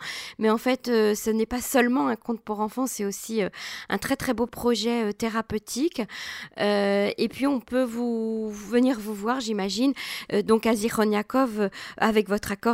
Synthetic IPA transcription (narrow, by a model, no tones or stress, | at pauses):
mɛɑ̃fɛt̪øsənɛpasœlmɑ̃ɛ̃kɔ̃t̪̚puʁɑ̃fɑ̃sɛt̪osiøʔɛ̰̃t̪χɛt̪χɛbopχɔʒɛøt̪eʁapøt̪ʰik | øepɥiɔ̃pøvuvəniʁvuvwaʁʒimaʒinød̪ɔ̃kaziχɔnjakɔvøa̰vɛkvɔt̪χakɔ